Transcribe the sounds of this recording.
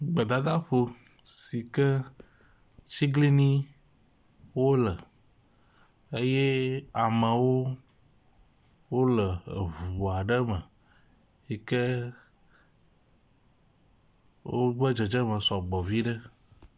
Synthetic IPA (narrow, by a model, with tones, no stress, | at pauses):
ɡ͡bə˨d̪a˨d̪a˦ɸo˨ | si˨kɛ˦ | t͡ʃi˦ɡli˦nĩ˦ | wo˦lə˨ | e˦je˦a˨mə̃˨wo˦ | wo˦lə˨vu˨o˨a˨ɖə˦mə˨ | i˨kɛ˦ | wo˦βə˦d͡ʒə˨d͡ʒə˦mə̃˨sɔ˨ɡ͡bɔ˨vi˦ɖə˦